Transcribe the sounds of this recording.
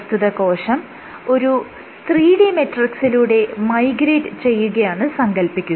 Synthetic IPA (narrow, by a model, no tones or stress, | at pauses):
st̪ʰuðɐko̞ːʂɐm | o̞ɾu | st̪riːɽime̞ʈːrɐksiluːɽe̞mɐjɡɾeːʈɨt͡ɕe̞jːuɣɐjaːɳɨsɐŋɡɐlpikʲːu